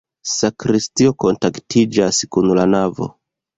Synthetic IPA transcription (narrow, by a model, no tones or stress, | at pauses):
sakɾistio̞ko̞ntaktʰid͡ʒaskunlanavo̞̰